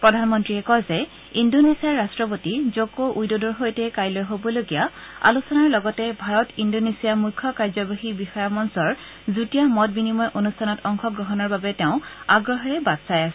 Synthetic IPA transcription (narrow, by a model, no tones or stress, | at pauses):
pɹɔdʱanmɔntɹiɛkɔzɛ | indonesiaɹɹastɹɔp̬otizokoʔujdodɔɹɦojtɛkajlojɦobɔloɡijaa̰lusɔnaɹlɔɡɔtɛbʱaɹɔtindonesijamujkʰːɔkaɹzɔbaɦibixɔjamɔnsɔɹ | zutijamɔt̚binimɔjʔonustʰanɔtɔŋxɔɡɹɔɦɔnɔɹbabɛteʊ̃aɡɹɔɦɔɹɛbadsajasɛ